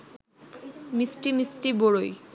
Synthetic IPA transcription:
misʈimisʈiboɽoj

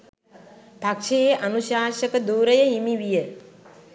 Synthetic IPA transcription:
bʱakʃeʔɐnuʃaːʃɐkɐd̪uːɾɐjɐɦimiʋijə

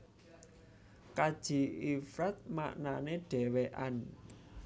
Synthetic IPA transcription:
kad̥ʒ̥i̤ifɾat̪̚ma̰ʔnaneɖ̥ɛ̤weʔan

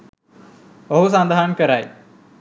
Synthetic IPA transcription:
oɦus̬ãnd̪ʱaːɦənkɐɾaːi

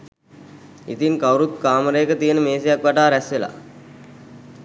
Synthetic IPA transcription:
ḭt̪iŋkawɾut̪̚kaːməɾəjːkət̪ijənəmeːsejakʋaʈaːɾɛsʋela̰

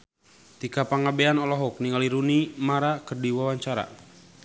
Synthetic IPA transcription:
t̪ikapaŋabeanɔlɔɦɔk̚niŋaliɾunimaɾakərdiwawaɲt͡ʃaɾa̰

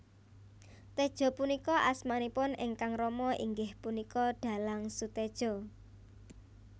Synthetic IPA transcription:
t̪ed̥ʒ̥ɔ̤punikɔʔasmanipʊnɪŋkaŋrɔmɔʔḭŋɡɪhpunikɔɖ̪̥a̤laŋsut̪ed̥ʒ̥ɔ̤

